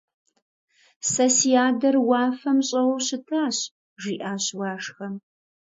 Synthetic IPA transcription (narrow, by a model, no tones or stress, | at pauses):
sɐsiaːdɐrwɑːfɐmɕʼɐwɐwɕɪtʰaːɕ | ʒiːʔaːɕwɑːʂxɐm